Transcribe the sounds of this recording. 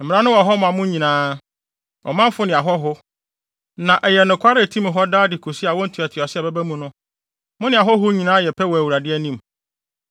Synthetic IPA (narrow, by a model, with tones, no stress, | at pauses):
m̩˨mɪ̃˨˦ã˦nʊ̃˦wɔ˨ɦɔ˦mʊ̃˨ã˨mʊ̃˦ɲĩ˨nãː˦ | ɔ̰˨mã˦m˦fʊ˦nɪ̃˨a˨ɦɔ˦ɦʊ˦ | nã˨ʔɛ˨jɛ˨nʊ̃˨kʷʰa˦ɾɪ˦˨tʰĩ˦m˨ɦɔ˦daː˦dɪ˨kʰo˨si˦a˨wɔ˦n̩˨tʰi˨ɛ˨tʰɪ˨ɔ˨sɪ˦ɛ˨bɛ˦bæ˦mũ˨nʊ̃˦ | mʊ̃˦nɪ̃˨a˨ɦɔ˦ɦʊ˦ɲĩ˨nãː˦jɛ˨pʰɛ˦wɔ˨æ˨wu˨ɾa˨dɪ˦ɛ˦nĩ˦m